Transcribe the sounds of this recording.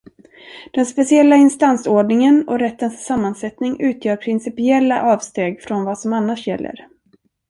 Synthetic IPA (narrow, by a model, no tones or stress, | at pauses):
d̪̥ɛnspɛsɪɛlːaɪnst̪ansoːɖɳɪŋənɔɾɛt̪ːənsːamːansɛt̪nɪŋʉ̟ːt̪ʰjœːɾpʰɾɪnsɪpɪɛlːa̰ʔɑːvst̪eːɡfɾɔnvasɔmanːaʂjɛ̰lːə̰ɾ